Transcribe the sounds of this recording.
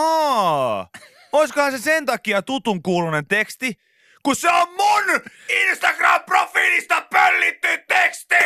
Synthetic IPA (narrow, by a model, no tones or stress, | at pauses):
ɑː | oiskohɑnsesent̪ɑkiɑt̪ut̪uŋkuːlunent̪ekst̪i | kusseommuninst̪ɑkrɑmprofiːlist̪ɑpølːit̪ːyt̪ekst̪i